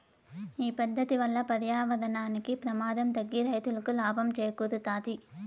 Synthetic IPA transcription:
iːpɐnd̪ːɐt̪iʋɐlːɐpɐðɐjaːʋɐðɐnaːnɯkːipɾɐmaːðɐmt̪ɐɡːiɾɐjɐt̪ːɯɭɯkːɯlaːbɐmt͡ʃɛjɐkːuðɯt̪aːt̪i

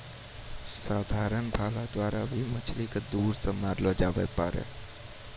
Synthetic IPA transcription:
saːd̪ʱaɾənbʱaːlad̪waɾabʱimət͡ʃʰliked̪uɾsəmaɾlɔd͡ʒabə̰paɾḛ

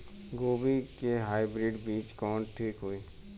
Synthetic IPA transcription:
ɡoːbikeɦaːibɾɪːɖbiːt͡ʃkɔːnʈʰiːkɦʊiː

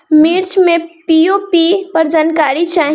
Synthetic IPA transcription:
miɾt͡ʃʰmepijopipəɾd͡ʒankaɾit͡ʃʰaːɦ

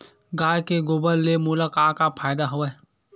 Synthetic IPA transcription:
ɡaːjkeɡʊbəlːemuːləkaːkapʰaːɪd̪aɦoe

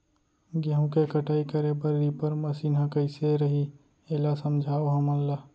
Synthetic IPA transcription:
ɡeɦũkekəʈaːikəɾepəɾːiːpəɾmɐsiːnɦãkəɪseɾɐɦi | eːlasəmd͡ʒʱaːoɦɐmɐlla

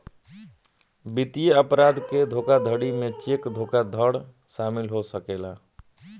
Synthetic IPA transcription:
bit̪ijeəpɾad̪ked̪ʱokad̪ʱəɽimẽt͡ʃekd̪ʱokad̪ʱəɽ | ʃaːmilɦosəkela

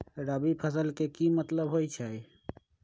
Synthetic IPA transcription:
ɾəbipʰəsəlkekimət̪ləbɦojt͡ʃʰɛj

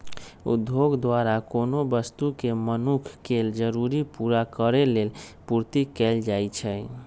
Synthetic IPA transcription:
ṵd̪ʱjoɡd̪waɾakonobəst̪ukemənukʰkeld͡ʒəɾuɾipuɾakəɾelelpuɾt̪ikɛld͡ʒajt͡ʃʰɛ

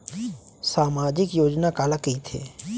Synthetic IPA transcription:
saːmaːd͡ʒɪkjoːd͡ʒnakaːlakəit̪ʰḛː

